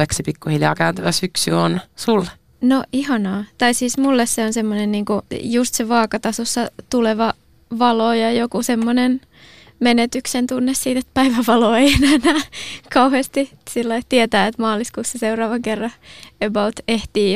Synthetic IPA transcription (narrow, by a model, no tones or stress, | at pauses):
eksipikːuhiljɑ̰ːkæynt̪æʋæsyksyonsulː | noʔihɑnɑːt̪ɑisiːsmulːesseonsemːonenniːŋkujust̪seʋɑːkɑt̪ɑsosːɑt̪uleʋɑ | ʋɑlojɑjokusemːonen | menet̪yksent̪unːessiːt̪et̪̚pæiʋæʋɑloːeienæːnæːkɑuhest̪isilːɑit̪iet̪æːet̪mɑːliskuːsːɑseurɑːʋɑŋkerːɑebɑut̪eht̪iː